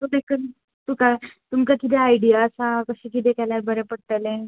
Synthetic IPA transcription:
t̪ud̪ekən | t̪ukat̪umkakit̪̬eajɽijasakəɕikit̪̬ekalaɾbəɾepəɽt̪əlẽ

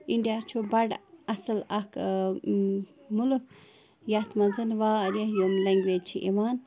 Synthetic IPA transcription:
iɳɖijat͡ʃʰubɐɖɐsəlɐk | muluk̚ | jat̪mɐzɐnʋaːɾehjomlɐŋɡʋeːt͡ʃʰiʔiʋaːn

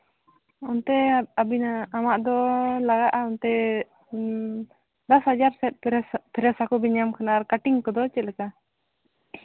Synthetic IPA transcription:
ɔnt̪ɛabinaamaʔd̪ɔlaɡaʔaɔnt̪ɛ | d̪ashad͡ʒaɾsɛt̪̚ˀpʰɛɾɛsakɔbiɲamkʰanaɾkaʈiŋkɔd̪ɔt͡ʃɛt̪̚ˀlɛka

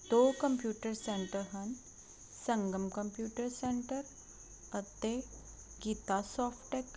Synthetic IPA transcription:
t̪okəmpjuʈəɾseɳʈəɾɦən | səŋɡəmkəmpjuːʈəɾseɳʈəɾ | ət̪e | ɡit̪asɔfʈek

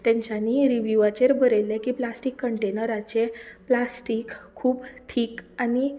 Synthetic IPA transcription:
t̪ɛ̃ɲt͡ɕaniːɾiʋjuʋat͡ɕeɾbəɾelɛkiːplasʈikːəɳʈenəɾat͡ɕeplasʈikʰːuːbt̪ʰiːkani

